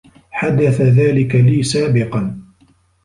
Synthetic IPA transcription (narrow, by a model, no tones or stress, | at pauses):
ħad̪aθaðaːlɪkaliːsaːbɪqɑn